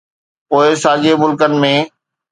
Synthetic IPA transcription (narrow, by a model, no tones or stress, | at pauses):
poːɪsaːd͡ʑemʊlkənɪ̆mẽː